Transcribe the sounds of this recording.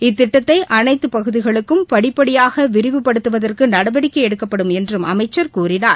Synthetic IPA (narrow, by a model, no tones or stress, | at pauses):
ɪt̪ːɪʈːɐt̪ːɐɪʔɐnɐɪt̪ːɯpɐɣɯðɪɣɐɭɯkːɯmpɐɽɪpːɐɽɪjaːɣɐʋɪɾɪʋɯpːɐɽɯt̪ːɯʋɐðɐrkɯnɐɽɐʋɐɽɪkːɐɛɽɯkːɐpːɐɽɯmɛndrɯmʔɐmɐɪt͡ʃːɐɾkuːrɪnaːɾ